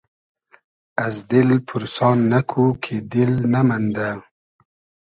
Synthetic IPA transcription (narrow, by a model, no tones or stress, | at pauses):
azd̪ɪlpʰuɾsɑːnːakʰukʰed̪ɪlnamand̪a